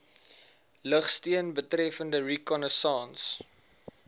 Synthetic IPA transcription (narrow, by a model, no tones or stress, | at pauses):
ləχstiənbətɾɛfəndərikɔnəsɑːns